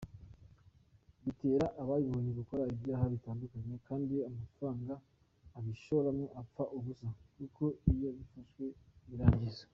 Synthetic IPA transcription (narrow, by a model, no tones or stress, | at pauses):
βite̞ːɾaʔaβajiβoːneɡuko̞ɾaibɟaːɦaβitaːndukaɲe̞kaːndiamafɾaːŋɡaː | βiʃoβoɾamŋoʔap͡faʔuβusakuko̞ijoβifaʃwe̞βiɾaːɲɟiza